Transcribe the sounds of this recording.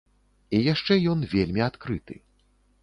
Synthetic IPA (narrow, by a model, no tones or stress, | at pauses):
ijaʂt͡ʂɛjɔnvʲelʲmʲiat̪kɾɨt̪ɨ̰